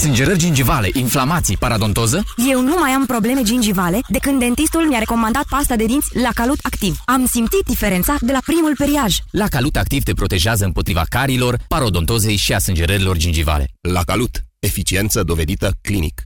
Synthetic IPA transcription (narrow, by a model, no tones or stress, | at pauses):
sɨnd͡ʒeɾərʲd͡ʒind͡ʒivale̞ʔinflamat̪sijpaɾad̪o̞nt̪o̞zəje̞wnumajampɾo̞ble̞me̞d͡ʒind͡ʒivale̞d̪e̞kɨnd̪d̪e̞nt̪ist̪ulmjaɾe̞ko̞mand̪at̪̚past̪ad̪e̞d̪int̪sʲlakalut̪akt̪ivamsimt̪sit̪̚d̪ife̞ɾe̞nt̪sad̪e̞lapɾimulpeɾiaʒlakalut̪ak̚t̪ivt̪e̞pɾo̞t̪e̞ʒeazəɨmpo̞t̪ɾiva̰kaɾilo̞rpaɾo̞d̪o̞nt̪o̞ze̞jʃiasɨnd͡ʒeɾəɾilo̞rd͡ʒind͡ʒiva̰le̞̰lakalut̪e̞fit͡ʃie̞nt̪səd̪o̞ve̞d̪it̪əklinḭk